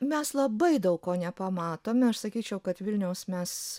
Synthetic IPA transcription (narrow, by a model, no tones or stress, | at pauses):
mʲɛslˠɐbɐɪd̪ɐʊkkoːnʲɛpɐmɑːt̪oːmʲɪɐʃsɐkʲiːt͡ʃʲɛʊkɐt̪ʋʲɪlʲnʲɛʊsmʲɛs